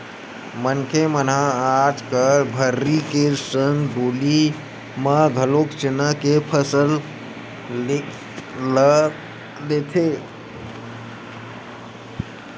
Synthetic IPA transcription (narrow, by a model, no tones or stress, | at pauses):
mənkʰemənɦãad͡ʒkəɾbʱəɾːikesənɖoli | məɡʱəlokt͡ʃenəkepʰəsəl | lek | lə | let̪ʰe